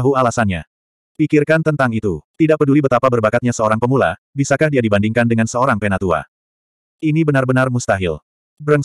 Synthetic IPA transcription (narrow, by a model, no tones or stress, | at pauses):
ɦualasanɲa̰ | pikirkant̪ənt̪aŋit̪ut̪idaʔpədulibət̪apabərbakat̪̚ɲasəoɾaŋpəmula̰ | bisakahdiadibandiŋkandəŋansəoɾaŋpenat̪ua̰ | ʔinibənarbənarmust̪aɦil | bɾəŋ